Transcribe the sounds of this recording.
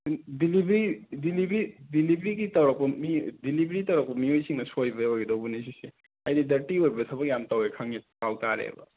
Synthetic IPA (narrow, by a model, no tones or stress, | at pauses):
dilibɾidilibɾidilibɾikitɐɾɔk̚pɐmidilibɾitɐwɾɐk̚pɐmiojsʰiŋnɐsojbɐojɡdowbunis̬ise | ajdidɐɾʈiojbɐsʰɐbɐkjamtawekʰaŋipawtaɾḛbɐ̰